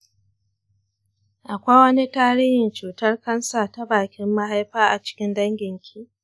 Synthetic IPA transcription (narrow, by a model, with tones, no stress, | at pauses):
ʔa˨kʷa˦wɐ˦ni˦taː˦ɾiː˦hɪ˨nt͡ʃuː˨tɐ˦rkɐ˦nsaː˨ta˦baː˨kʲɪ˦mːa˦ɦa˦jɸaː˦ʔa˨t͡ʃɪ̥˦kʲɪ˦ndɐ˦ŋɡʲɪ˨ŋkʲʰiː˦